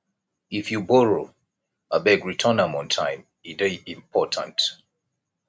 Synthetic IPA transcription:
ifjubɔɹo | abɛɡɹitʰənãmɔ̃ntʰãɪ̃m | ideĩmpʰɔtʰã̰nt

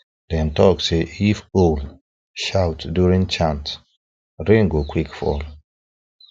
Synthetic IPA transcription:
d̥ɛ̃ntɔkseifol | ʃawtdjuɹĩŋt͡ʃãnt | ɹĩŋɡokʰwikfɔ̰l

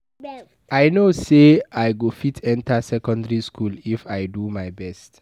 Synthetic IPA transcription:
ajnoseajɡofitʰɛ̃ntasɛkɔ̃ndəɹiskʰulifaɪdumaɪbɛst

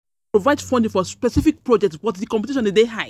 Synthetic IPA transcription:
pɹovaɪdfɔ̃ndĩfɔspɛsifik̚pɹɔd͡ʒɛk̚tswɔtðikɔ̃mpɛtiʃɔ̃ndideɦaɪ

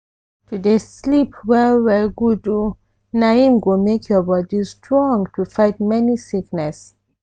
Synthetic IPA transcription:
tudeslipwɛwɛɡudu | naĩmɡomekʰjɔbɔdistʰɹɔ̃ŋtʰufaɪt̚mɛnisiknɛs

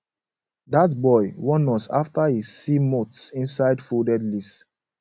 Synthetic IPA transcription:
datbɔɪwɔ̃nɔsa̰ftahizːimotsĩnsaɪdfudɛdlis

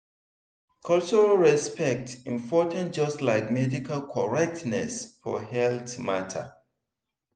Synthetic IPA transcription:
kʰʌlt͡ʃɔɹalɹɛspɛk̚tĩɱpɔtʰə̃ntd͡ʒʌslaɪkmɛdikʰalkʰɔɹɛk̚tnɛ̰sfɔ̰hɛlθmatʰə̰

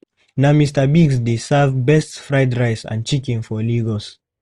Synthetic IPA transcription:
namistəbiɡsdesavbɛstfɹaɪdɹaɪsã̰nt͡ʃikĩnfɔliɡɔs

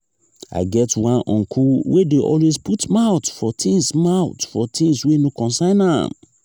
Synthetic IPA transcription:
a̰ɪɡɛtwãnɔ̰̃nkʰuwedeʔɔ̰lwezputmaʊtfɔtʰĩŋsmaʊtfɔtʰĩŋswenokɔ̃nsãɪ̃nã̰m

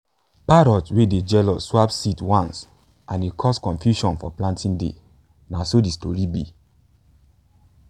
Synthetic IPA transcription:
paɾɔtweded͡ʒɛlɔswapsitwãns | ãnekʰɔskɔ̃nfjuʃɔ̃nfɔ̰plãntĩndḛ | nasodistoɹibi

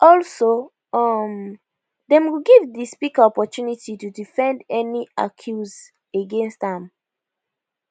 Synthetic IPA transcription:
ʔɔlso | ɔm | dɛ̃mwuɡivdispikaɔpɔtunititudifɛ̃ndɛnia̰kʰjuz | əɡɛ̃nstãm

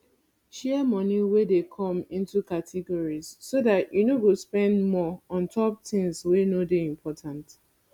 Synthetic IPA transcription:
ʃɛmɔniwedekʰɔ̃mĩntukatʰiɡɔɹiz̥ːodatjunowispɛ̃ndmɔɔ̃ntʰɔp̚tĩŋswenodeĩmpʰɔtʰãnt

